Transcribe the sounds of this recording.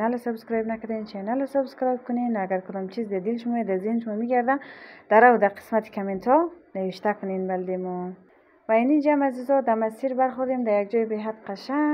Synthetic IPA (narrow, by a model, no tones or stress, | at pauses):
nalasabskɾɔjbnakad̪ant͡ʃʰenalasubskɾɔjb̚kʰunenaɡaɾkʰud̪ɔmt͡ʃʰizd̪ad̪ilʃumɔed̪azinʃmɔmiɡaɾd̪and̪̥aɾawd̪aqʰi̥smat̪ʰi̥kʰament̪ʰɔnaʋiʃt̪akʰunenbald̪emun | vainind͡ʒamazizɔd̪amasiɾbaɾχuɾd̪emd̪ajaɡd͡ʒɔjbeɦat̪qʰaʃaŋ